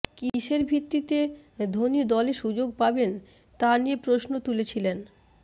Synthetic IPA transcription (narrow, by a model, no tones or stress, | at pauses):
kiʃeɾbʱit̪ːit̪ed̪ʱonid̪ɔleʃud͡ʑoɡ̚paben | t̪anijepɾoʃnot̪ulet͡ɕʰilen